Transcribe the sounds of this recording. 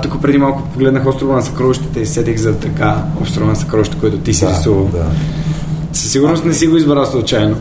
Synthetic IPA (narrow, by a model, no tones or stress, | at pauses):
t̪ukəpɾɛd̪imalˠkʊpoɡlɛd̪nəxɔst̪ɾʊvɐnɐsɐkɾɔviʃt̪ɛ̥t̪ɛisɛt̪ixzɐt̪ɐkaɔ̰pst̪ɾovɐnɐsɐ̥kɾɔvʃt̪ɛkoit̪ʊt̪isɛɾisuvəlˠd̪ | sə̥sːiɡʊɾnost̪nɛsiɡoizbɾaslˠut͡ʃajno